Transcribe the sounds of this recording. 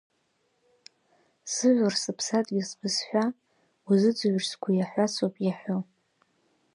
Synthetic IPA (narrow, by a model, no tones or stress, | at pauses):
zɨʕʷʊrsɨpʰsatʼɡʲisbɨsħʷᶣa | wazɨd͡zɨɥʷrskʷʰajaħʷasʰopʼjaħʷᶣo